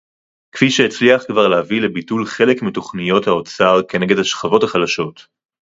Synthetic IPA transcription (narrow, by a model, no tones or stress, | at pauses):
kfiʃeet͡sliaχkvaʁlehavilebitulχe̞lekmito̞χnijo̞thaot͡saʁkene̞ɡedhaʃχavo̞thaχalaʃo̞t